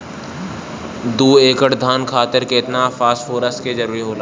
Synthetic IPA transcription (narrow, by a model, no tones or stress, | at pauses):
d̪uːeːkəʈd̪ʱaːnkʰaːt̪ɪɾkeɪt̪nafaːsfoːɾəsʈked͡ʒɐɾuːɾiɦoːlaː